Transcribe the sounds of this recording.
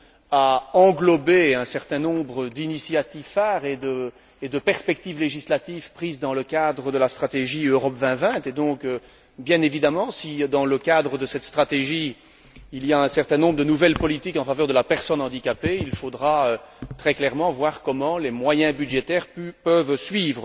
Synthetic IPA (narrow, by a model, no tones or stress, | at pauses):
aɑ̃ɡlɔbeɛ̃sɛʁt̪ɛ̃nɔ̃bʁəd̪inisjat̪ifaːʁed̪ə | ed̪əpɛʁspɛk̚t̪ivleʒislat̪ivpχiːzd̪ɑ̃ləkad̪ʁəd̪əlast̪χat̪eʒiøʁɔpvɛ̃vɛ̃t̪ed̪ɔ̃kø | bjɛ̃nevid̪amɑ̃sid̪ɑ̃ləkad̪ʁəd̪əsɛt̪st̪χat̪eʒi | iliaɛ̃sɛʁt̪ɛ̃nɔ̃bʁəd̪ənuvɛlpɔlit̪ikɑ̃favœʁd̪əlapɛʁsɔnɑ̃d̪ikʲapeilfod̪ʁaøt̪χɛklɛʁmɑ̃vwaːʁkɔmɑ̃lemwajɛ̃bydʒet̪ɛːʁpœvsɥiːvʁə